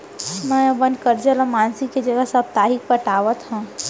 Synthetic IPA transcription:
mɛ̃bənd̪kəɾd͡ʒəlãmaːnsɪkːed͡ʒɐɡəsəb̚t̪aːɦɪk̚pəʈaːʋət̪ɦɛ̃ː

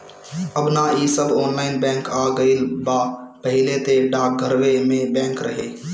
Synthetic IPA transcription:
əbnaisəbɔːnlaːɪnbɛ̃ːŋkaːɡəɪlbapɐɦɪlet̪eɖaːk̚ɡʱəɾʋemẽbɛ̃ːŋkɾɐɦeː

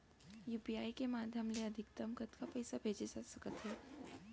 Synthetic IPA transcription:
juːpiaːikemaːd̪ʱjəmleɐd̪ʱɪk̚t̪əmkət̪kapɛjsabʱeːd͡ʒed͡ʒasɐkət̪ɦɛː

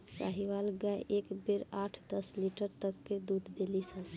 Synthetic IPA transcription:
sa̰ɦiʋalɡaeʔekbeɾaʈʰd̪əsliʈəɾt̪əkːed̪ud̪ʱd̪elisən

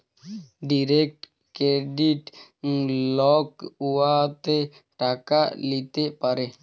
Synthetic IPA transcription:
ɖiɾeːk̚ʈ | kɾeɖiʈ | lɔːkuat̪e | ʈakalit̪epəɾe

